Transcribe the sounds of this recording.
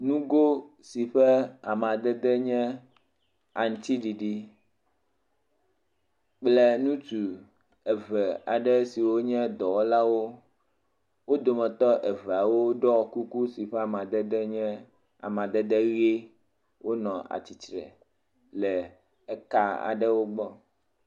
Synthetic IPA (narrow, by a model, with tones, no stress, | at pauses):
nũ˦ɡo˦ | si˨ɸɛ˦a˨m˨a˨d̪ɛ˦d̪ɛ˦ɲɛ̃˦ | a˨ŋ˨t̪i˦ɖi˨ɖi˦ | k͡plɛ˦nũ˦t͡ʃu˨ | ɛ˨vɛ˨a˨ɖɛ˦si˨wo˦ɲɛ̃˦d̪ɔ˨wɔ˦la˦wo˦ | wo˦d̪o˨mɛ̃˨t̪ɔ˦ʔɛ˨vɛ˨a˨wo˦ɖɔ˦˨ku˦ku˦si˨ɸɛ˦a˨m˨ã˨d̪ɛ˦d̪ɛ˦ɲɛ̃˦ | a̰˨mã˨d̪ɛ˦d̪ɛ˦ɣe˦ | wʔo˦nɔ̃˨a̰˨t͡ɕi˨t͡ʃɾɛ̰˨ | lɛ˨ | ɛ˦ka˦a̰˨ɖɛ˦wo˦ɡ͡bɔ˦